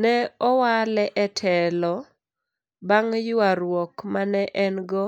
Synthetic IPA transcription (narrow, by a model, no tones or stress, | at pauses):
nɛɔwalɛʔɛtʰɛlɔ | baŋjʊaɾwɔkmanɛʔɛnɡɔ